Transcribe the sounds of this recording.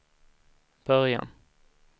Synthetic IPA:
b̥œɾja̰n

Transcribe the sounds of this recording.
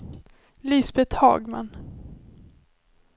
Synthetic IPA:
lɪsbɛt̪hɑ̰ːɡma̰n

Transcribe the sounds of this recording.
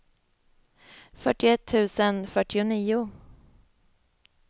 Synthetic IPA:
fœʈɪɛt̪ʰːʉ̟ːsənfœʈːɪʊniːʊ

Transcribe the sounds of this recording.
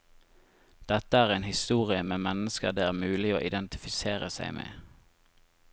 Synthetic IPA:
d̪̥ɛt̪əæːʁeɪnhɪst̪uːʁɪəmeːmɛnəskə̰ʁd̪eːæːmʉːlɪo̰ːʔɪd̪ɛnt̪ɪ̥fɪseːʁəsæ̰ɪmʔḛː

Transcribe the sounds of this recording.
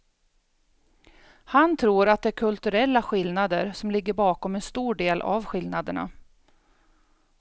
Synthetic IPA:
hant̪ʰɾuːɾat̪̚d̪ɛæɾkʰɵlt̪ɵɾɛlːaɧɪlnad̪əɾsɔmlɪɡːəɾbɑːkɔmɛnst̪uːɖeːlʔa̰vɧɪlnad̪əɳa̰

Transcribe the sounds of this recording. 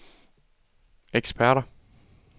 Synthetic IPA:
eɡ̥spʰæɐɾɐ

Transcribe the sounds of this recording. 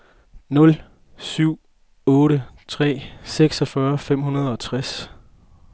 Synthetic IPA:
nɔ̽l | syʊ̰ | ɔ̽ːɾət͡sʰʁɛ̰ːseɡ̥sɒfɶɐfem̰hunɐð̞ˠɒ̽t͡sʰʁas

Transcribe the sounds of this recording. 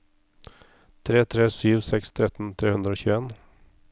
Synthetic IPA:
t̪ʰɾeːt̪ʰɾeːsyːʋsɛkst̪ʰɾɛt̪n̩t̪ʰɾeːhʉnd̪ɾəoːçʉːeːn

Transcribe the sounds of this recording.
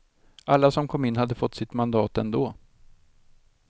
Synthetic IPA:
ʔalːasɔmkʰɔmːɪnːhad̪ːəfɔt̪ːsɪt̪mand̪ɑːt̪ɛnd̪oː

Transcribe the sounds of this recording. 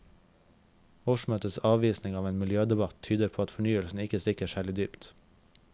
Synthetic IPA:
oʃmøːt̪əsɑːʋiːsnɪŋɑːʋeːnmɪljøːd̪ɛbɑt̪ʰyːd̪əɾpʰoːɑt̪fɔɳyːəlsn̩ɪkəstɪkəʃæːlɪd̪yːpt̪

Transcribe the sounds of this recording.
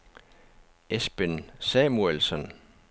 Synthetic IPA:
esb̥ensɛmuelsɒn

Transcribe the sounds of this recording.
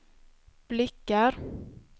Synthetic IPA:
b̥lɪkːaɾ

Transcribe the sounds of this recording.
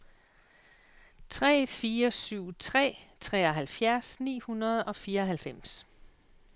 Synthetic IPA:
t͡sʰʁɛ̰ːfiːɐɒsyʊ̰t͡sʰʁɛ̰ːt͡sʰʁɛːɒ̽ɦælfjæɐsnḭːhunɐð̞̩ˠɒ̽fiːɐɒɦælfem̰s

